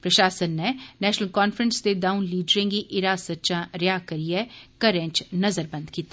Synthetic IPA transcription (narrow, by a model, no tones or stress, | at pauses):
pɾəʃaːsənːɛnɛːʃnəlkɔːnfɾənsd̪eːd̪aːunliːɖəɾɪ̃ŋɡiʔɪɾaːsətːʃãːɾjaːkəɾiɛːkəɾɛ̃ːt͡ʃnəzəɾbə̃nd̪kiːt̪aː